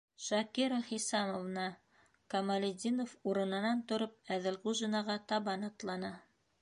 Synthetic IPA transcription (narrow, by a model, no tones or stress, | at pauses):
ʃɐkiɾaχisɑmovnɑ | kɐmɐlʲɪd̪ʲinofuɾɤ̆nɤ̆nɑnt̪ŏɾɤp̚æðɘlʁuʒinɑʁɑt̪ɑβɑnɑt̪lˠɑnɑ